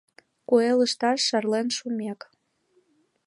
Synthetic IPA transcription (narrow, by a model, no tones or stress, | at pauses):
kueləʃt̪ɑʃːɑrlenʃumek